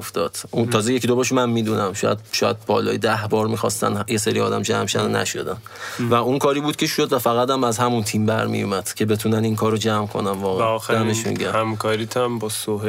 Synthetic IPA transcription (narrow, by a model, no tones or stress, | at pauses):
oft̪ɒːd̪̥unt̪ʰɒːzeje̞cʰid̪obɒʃ̬mænmiːd̪unæmʃɒ̰ːjæ̰d̪̚ʃɒːjæ̰d̪̚bɒ̰ːlɒ̰ːjed̪æhbɒːɾmiːxɒ̰st̪æ̰njeseɾiɒːd̪æmd͡ʒæmʃænnæ̰ʃo̞̰d̪æn | væunkʰɒːɾiːbuːd̪̥̚cʰʲe̞ʃod̪væfæɣæt̪æmæzhæmunt̪ʰimbæɾmḭjumæd̪̥cʰe̞be̞t̪ʰuːnæninkʰɒːɾod͡ʒæmkʰo̞̰næmvɒːɣeæmeʃmḭɡæhæmkʰɒːɾit̪ʰæmbɒsoɦ